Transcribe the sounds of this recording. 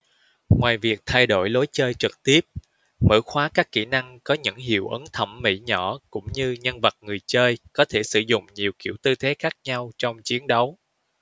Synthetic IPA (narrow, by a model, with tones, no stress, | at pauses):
ŋwaː˨˩jvi˨˩ək̚t̪ʰa˧jɗo˧˩jlo˨˦jt͡ɕəː˧jt͡ɕɨ˨˩k̚t̪i˦˥əp̚ | mə̰ː˧˥xwaː˨˦kaː˦˥kːḭ˧˩na˧ŋkɔ˨˦ɲɨ̰˧˥ŋɦḭ˧˨əwʔə˨˦ŋt̪ʰə˧˩mːḭ˧˥ɲɔ˧˩kʊ̰˧˥ŋ͡mɲɨ˧ɲə˧nvə˨˩t̚ŋɨ˨˩əjt͡ɕəː˧jkɔ˨˦t̪ʰe˧˩sɨ̰˧˩zʊ̰˧˨ŋ͡mɲi˨˩əwkḭ˧˩əwt̪ɨ˧t̪ʰe˨˦xaː˦˥k̚ɲa˧wt͡ɕɔ˧wŋ͡mt͡ɕi˨˦ənɗə˨˦w